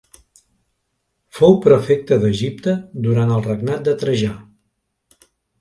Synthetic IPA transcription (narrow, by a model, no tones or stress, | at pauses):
fowpɾəfek̚t̪əðəʒip̚t̪əd̪uɾant̪əlˠrəɡnat̪̚d̪ət̪ɾəʒa